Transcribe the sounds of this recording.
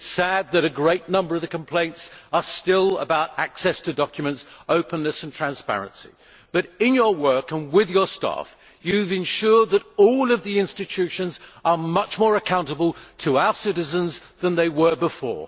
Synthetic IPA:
sæd̪̚ðɨɾɨɡɹeɪtⁿnʌ̃mbə˞ʌvðɨkʰə̃m̩pʰl̥ẽɪ̃ntsə˞stɪlˠə̰baʊɾæksɛstʰɨdɑkjɨmɨ̃ntsoʊpə̃nːɨsn̩tʰɹ̥æ̃nspæ̰ɹɨ̰̃nsḭ | b̥ʌɾɪ̃njə˞wɜ˞kə̃nwɪðjə˞stæ̰f | jʉvɨ̃nʃʊɹd̪̚ðəɾɔlˠʌvðiɪ̃nstɨtʰʉʃɨ̃nzə˞mʌt͡ʃmɔɹɨkʰãʊ̃ntəbəlˠtʰəaʊə˞sɪɾɨzə̃nzðə̃nðeɪwə˞bəfɔ̰ɹ

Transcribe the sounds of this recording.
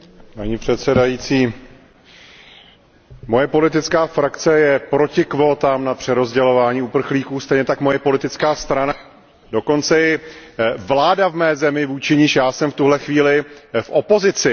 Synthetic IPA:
paɲiːpr̝̥ɛt̪sɛdajit͡siː | mo̞jɛpo̞lɪt̪ɪt͡skaːfɾakt͡sɛjɛpɾo̞cɪkvo̞ːt̪aːmnapr̥ɛɾo̞zɟɛlo̞vaːɲiːupr̩xliːkuːst̪ɛjɲɛt̪akmo̞jɛpo̞lɪt̪ɪt͡skaːst̪ɾana | do̞ko̞nt͡sɛjɛ | vlaːdavmɛːzɛmɪvuːt͡ʃɪɲɪʃjaːsɛmft̪uɦlɛxviːlɪfʔo̞po̞zɪt͡sɪ

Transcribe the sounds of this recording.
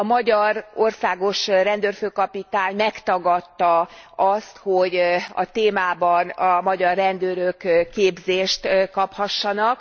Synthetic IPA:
ɒmɒɟɒro̞rsaːɡo̞ʃrɛnd̪øːrføːkɒpit̪aːɲmɛkt̪ɒɡɒt̪ːɒɒst̪hoɟɒ̰t̪eːmaːbɒnɒmɒɟɒrːɛnd̪øːɾøkkːeːbzeːʃt̪kɒphɒʃːɒnɒk

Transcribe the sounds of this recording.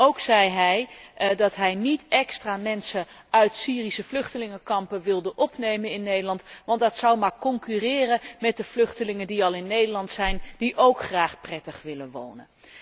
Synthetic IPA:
owksɛjɦɛjdɑtɦɛjnitɛkstraːmɛnsəœɥtsiːrisəvlʏχtəlɪŋəkɑmpəʋɪlˠdəʔɔpnejmənɪnːejdəlɑntʋɑndɑtsɑwmaːɹkɔŋkyrɪːrəmɛt̚dəvlɵχtəlɪŋəndiɑlˠɪnːejdəlɑntsɛjnd̥iʔowkχraːχprɛtəχʋɪlənʋo̰wnə̰n

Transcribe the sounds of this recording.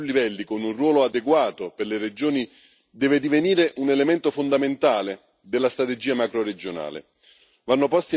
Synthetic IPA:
lːivɛlːikonunrwɔːload̪eɡwaːt̪operlered͡ʒoːni | d̪ɛːved̪iveniːɾeʔunelemɛnt̪ofond̪ament̪aːle | d̪elːast̪ɾat̪ed͡ʒiːamakɾored͡ʒona̰ːlḛ | vanːopɔst̪i

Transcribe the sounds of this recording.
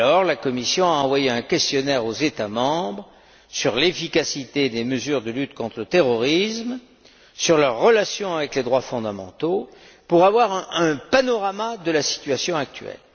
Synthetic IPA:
ɔʁlakɔmisjɔ̃aɑ̃vwajeɛ̃kʲɛst̪jɔnɛʁozet̪amɑ̃bʁ | syʁlefikasit̪ed̪eməzyʁd̪əlyt̪kɔ̃t̪χlət̪eʁɔʁism | syʁlœʁːəlasjɔ̃avɛkled̪ʁwafɔ̃d̪amɑ̰̃t̪o | puʁavwaʁɛ̃ɛ̃panɔʁamad̪əlasi̥t̪ɥasjɔ̃ak̚t̪ɥɛ̰l

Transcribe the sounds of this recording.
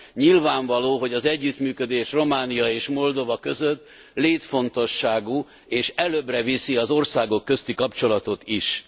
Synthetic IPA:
ɲilvaːɱvɒloːɦo̞ɟɒzɛɟːyt̪myːkød̪eːʃro̞maːnijɒeːʃmo̞ld̪o̞vɒkø̞zøt̪ː | leːt̪fo̞nt̪o̞ʃːaːɡuː | eːʃɛløbrɛvisiɒzo̞rsaːɡo̞kːø̞st̪ikɒpt͡ʃo̞lɒt̪o̞t̪iʃ

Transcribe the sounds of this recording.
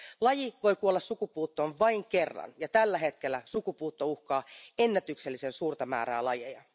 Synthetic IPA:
lɑjiʋo̞jkuolːɑssukupuːt̪ːoːnʋɑiŋkerːɑ̰njɑt̪ælːæɦet̪k̟elːˑæsukupuːt̪ːouhkɑːenːæt̪ykselːisensuːrt̪ɑmæ̰ːɾæ̰ːlɑjḛjɑ

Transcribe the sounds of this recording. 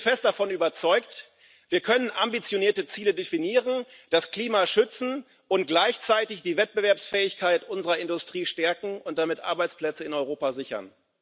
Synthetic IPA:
fɛst̚d̥afɔnyːbɐt͡sɔʏkt | v̥iːɐkʰœnənʔambit͡sjoniːɐtət͡siːlədefiniːʁənd̥askl̥iːmaʃʏt͡sn̩ | ʊntɡ̥laɪçt͡saɪtɪçd̥iːvɛt̚b̥əvɛɐpsfɛːɪçkʰaɪtʔʊnzəʁɐɪndʊstʁ̥iːʃtɛɐkŋ̩ʊnt̚d̥amɪtʔa̰ɐbaɪt͡spl̥ɛt͡səɪnɔʏʁoːpazɪçɐ̰n

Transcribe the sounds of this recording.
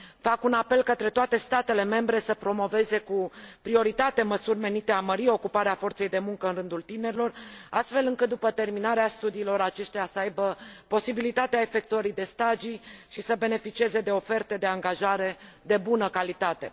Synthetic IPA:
fakunape̞lkət̪ɾe̞t̪oat̪e̞st̪at̪e̞le̞me̞mbɾe̞səpɾo̞mo̞ve̞ze̞kupɾio̞ɾit̪at̪e̞məsurʲme̞nit̪e̞aməɾio̞kupaɾeafo̞rt̪se̞jd̪e̞muŋkəɨnrɨnd̪ult̪ine̞ɾilo̞rast̪fe̞lɨŋkɨt̪̚d̪upət̪e̞rminaɾeast̪ud̪iːlo̞ɾat͡ʃe̞ʃt̪easəajbəpo̞sibilit̪at̪eae̞fe̞kt̪uəɾid̪e̞st̪aʒiʃisəbe̞ne̞fit͡ʃie̞ze̞d̪e̞o̞fe̞rt̪ed̪e̞aŋɡaʒaɾe̞ | d̪e̞bunəkalit̪at̪e̞̰

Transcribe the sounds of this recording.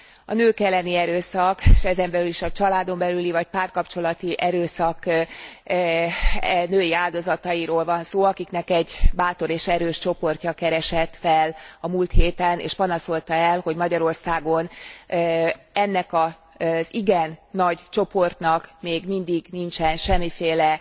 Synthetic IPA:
ɒ̰nøːkɛlːɛniɛɾøːsɒkeʃɛzɛmbɛlyliʃɒt͡ʃɒlaːd̪o̞mbɛlylivɒc̚paːrkɒpt͡ʃo̞lɒt̪iʔɛɾøːsɒk | nøːjiaːld̪o̞zɒt̪ɒjiɾoːlvɒnsoːɒkiknɛkɛɟbaːt̪o̞ɾeːʃɛɾøːʃt͡ʃo̞po̞rcɒkɛɾɛʃɛt̪fɛlɒmuːlt̪heːt̪ɛnḛːʃpɒnɒso̞lt̪ɒɛlho̞ɟmɒɟɒɾo̞rsaːɡo̞n | ɛnːɛkɒ | ziɡɛnːɒɟt͡ʃo̞po̞rt̪nɒkmeːɡmind̪iɡnint͡ʃɛnʃɛmːifeːlɛ

